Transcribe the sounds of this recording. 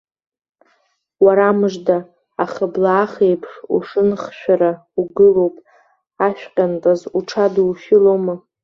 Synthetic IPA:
waɾamɨʐdaː | χəblaːχejpʰʂṵʂɨnχʃᶣaɾa | uɡɨlo̞wpʼ | aʃᶣqʲʼantʼazuʈ͡ʂʰaduʃɪlomɨ

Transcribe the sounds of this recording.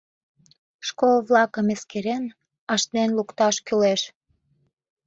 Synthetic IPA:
ʃkolβlɑkəmeskeɾen | ɑʃt̪nenlukt̪ɑʃkyleʃ

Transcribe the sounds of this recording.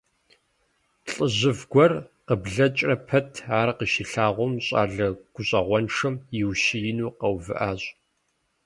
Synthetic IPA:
ɬʼəʑɪvɡʷɔrqəbɮɐt͡ʃʼrɐpʰɐtʰaːrqəʃiɬaːʁʷɔmɕʼa̰ːɮɐɡ̥ʷʊɕʼɐʁʷɔnʂɨmjɪwʃijɪnuːqɐwvɨ̰ʔaːɕʼ

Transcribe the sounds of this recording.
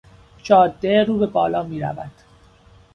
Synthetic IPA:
t͡ʃʰɒːd̪ːeɾuːbe̞bɒːlɒːmiːɾæ̰væd̪̥

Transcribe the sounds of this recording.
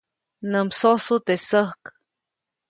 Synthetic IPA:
nəmsosut̪esəhk

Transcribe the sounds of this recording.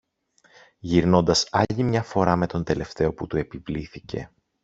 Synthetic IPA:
ʝiɾno̞nd̪ɐsɐʎimɲɐfo̞ɾɐme̞t̪o̞nd̪e̞le̞ft̪e̞o̞put̪ue̞pivliθice̞̰

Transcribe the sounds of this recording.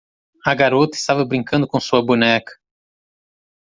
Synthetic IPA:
ɐɡaɾot̪ɐɪst̪avɐbɾĩŋkɐ̃nd̪ʊkõsuɐbunɛkɐ̥

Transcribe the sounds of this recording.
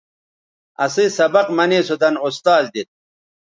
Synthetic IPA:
ɐ̰sisɐbɐqmɐneːsud̪ɐnust̪aːzd̪it̪̚

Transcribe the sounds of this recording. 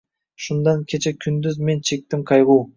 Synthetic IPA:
ʃund̪ɑŋkʲʰe̞t͡ʃekʲʰynd̪yzme̞nt͡ʃʰe̞k̚t̪imqʰɑjʁuː

